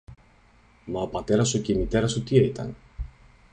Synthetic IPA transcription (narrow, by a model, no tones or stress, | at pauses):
mɐopɐt̪eɾɐsucemit̪eɾɐsut̪ieit̪ɐ̰n